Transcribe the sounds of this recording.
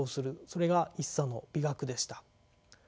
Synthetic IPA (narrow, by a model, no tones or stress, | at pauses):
oːsɨɾɯ̟so̞ɾe̞ɡaisːano̞b̥ʲiɡakɯ̟d̪e̞ɕi̥t̪ḁ